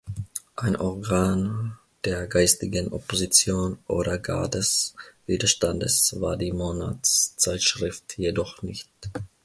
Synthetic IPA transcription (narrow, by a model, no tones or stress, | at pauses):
ʔaɪnʔɔʁɡaːn | d̥eːɐɡaɪstɪɡənʔɔpozit͡sjoːnʔo̰ːɾɐɡa̰ːdɛsv̥iːdɐʃtandəsvaːɐdiːmona̰tst͡saɪtʃʁ̥ɪftjedɔχnɪçt